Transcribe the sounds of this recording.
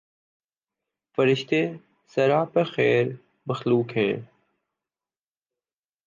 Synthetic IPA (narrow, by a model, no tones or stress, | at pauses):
fəɾɪʃt̪eː | səɾaːpəxɛːɾ | məxluːkɦɛ̃ː